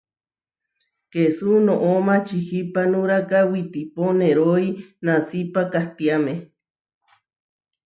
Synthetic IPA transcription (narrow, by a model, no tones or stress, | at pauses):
kesunoʔomat͡ʃihipanuɾakawit̪iponeɾoinasipakaht̪iame